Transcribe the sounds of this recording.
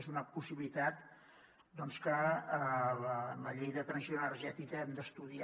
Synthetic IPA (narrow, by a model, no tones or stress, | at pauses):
zunəpusiβilit̪at̪̚ | d̪ɔnskə | lələʎejðət̪ɾənsionərʒɛt̪ikəɛmd̪əst̪uði